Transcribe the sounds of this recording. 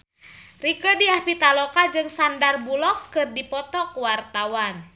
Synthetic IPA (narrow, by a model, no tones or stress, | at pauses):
rikədiapit̪alɔkad͡ʒɨŋsandarbulɔkːɨrdipɔt̪ɔkəwart̪awan